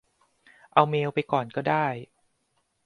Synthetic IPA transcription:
ʔa˧wmeː˧wpa˧jkɔː˨˩nkɔː˥˩daː˥˩j

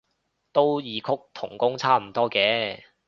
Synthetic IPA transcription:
t̪o˥wjiː˨˧kʰʊ˥k̚t̪ʰʊ̰˨˩ŋkʊ˥ŋt͡sʰaː˥m̩˨˩t̪ɔː˥kɛː˨˧

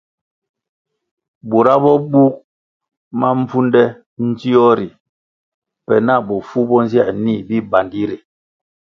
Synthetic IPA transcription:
bu˨ɾa˦bɔ˦bu˦k̚ | ma˦m̩˦pu˦ndɛ˦ | n̩˦zi˦ɔ˦ɾi˨ | pɛ˨na˦˨bɔ˨fu˦bɔ˦n˦zja˦˨ʔni˦˨bi˦ba˨ndi˦ɾe˨

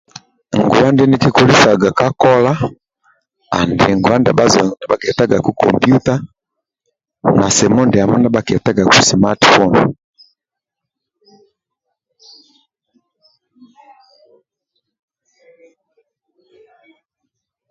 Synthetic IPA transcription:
ŋɡu˨wa˦ndɛ˦ni˦ki˦kɔ˨li˦sa˨ɡa˨ka˦kɔ˦la˦ | a̰˨ndɛ˨ŋɡu˨a˦nda˨ba˦zɔ˨na˨ba˦kɛ˨ta˦ɡa˨ku˦kɔ̰˨mpju˦ta˦ | na˨sɛ˨mɔ˦ndɛ˨a˨mɔ˦na˦ba˦kɛ˨ta˦ɡa˨ku˨sma˦tfɔ˦n

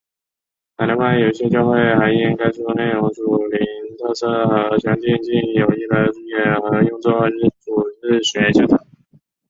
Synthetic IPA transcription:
t̪a˧˥˩la˧˥ma˥jo˨˩ʊi˥˩ɕjɛ˥t͡ɕjɑ˥˧ʊxwe˥˩ɪxa˧˥ɪi˥nka˥ɪʂu˥˧ne˥˩ɪɻʊ˧˥ŋʈ͡ʂu˨˩li˧˥˧nt̪ʰɤ˥˧sʰɤ˥xɤ˧˥t͡ɕʰjɑ˧˥ŋt͡ɕi˥˧nt͡ɕi˥˩njo˨˩ʊi˥˩lə˧˥ʈ͡ʂu˥˩jɛ˥˩nxɤ˧˥jʊ˥˧ŋt͡so˥˩˥ʈ͡ʂu˨˩ɻ̩˥˩ɕɛ˧˥t͡ɕʰɑ˥t̪ʰa˧˥˦

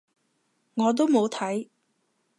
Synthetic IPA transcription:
ŋɔː˨˧t̪̬o˥wmo˨˧wt̪ʰɐ˨˥j

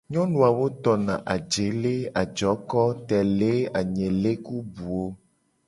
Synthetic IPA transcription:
ɲɔ̃˦nũ˨a˨wo˦t̪ɔ˨nã˨ʔa˨d͡ʒe˨le˦a˨d͡ʒɔ˨˦kɔ˦t̪ɛ˨le˦a˨ɲẽ˨le˦ku˦bu˨o˦

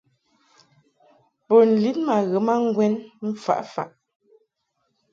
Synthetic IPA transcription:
po˨n̩˨li˦t̚ma˨ɣə˨˦ma˦ŋ̩˦ɡwɛ˦nm̩˦fa̰˨ʔfa̰˨ʔ

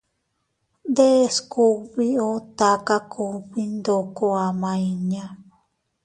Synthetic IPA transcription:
nd̪e˦sku˧βi˦o˦t̪a˧ka˦kʰu˧βi˦nd̪o˧˨ko˧a˨mã˧i˧ɲã˦

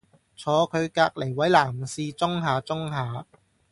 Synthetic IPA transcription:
t͡sʰɔː˨˧kʰɵ˨˧ɥkaː˧k̚le˨˩jwɐ˨˥jlaː˨˩msiː˧t͡sʊ˥ŋɦaː˨˧t͡sʊ˥ŋɦaː˨˧

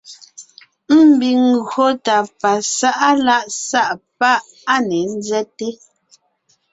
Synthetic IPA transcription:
m̩˦˨bi˨ŋ˨ɣo˦ta˨pa˨sa˦ʔa˦la˦ʔsa˦ʔp̚a˦ʔ | a˦˨nɛ˨n̩˦zɛ˦te˦

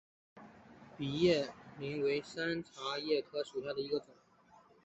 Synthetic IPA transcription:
pi˨˩jɛ˥˩mi˧˥ŋwe˧˥ɪsa˥nt͡sʰa˧˥jɛ˥˩kʰɤ˥ʂu˨˩ɕja˥˩d̪ə˩i˧˥ɡə˧t͡sʊ˨˩˦ŋ

